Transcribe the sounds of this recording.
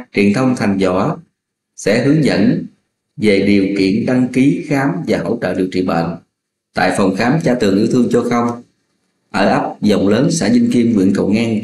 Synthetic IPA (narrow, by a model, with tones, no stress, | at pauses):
t͡ɕi˨˧˩ənt̪ʰə˧wŋ͡mt̪ʰa˨˩jŋ̟zɔ̰˧˩ | sɛ̰˧˥hɨ˨˦əŋzə̰˧˥n | ve˨˩ɗi˨˩əwkḭ˧˨ənɗa˧ŋki˨˦xaː˨˦mvaː˨˩ɦə̰˧˥wt͡ɕə̰ː˧˨ɗi˨˩əwt͡ɕḭ˧˨ɓə̰ː˧˨n | t̪a̰ː˧˨jfə˨˩wŋ͡mxaː˨˦mt͡ɕaː˧t̪ɨ˨˩əŋʔi˨˦wt̪ʰɨ˧əŋt͡ɕɔ˧xə˧wŋ͡m | ʔəː˧˩ʔə˦˥p̚zə˨˩wŋ͡mləː˨˦nsa̰ː˧˩zi˧ŋ̟ki˧əmŋwḭ˧˨ənkə̰˧˩wŋaː˧n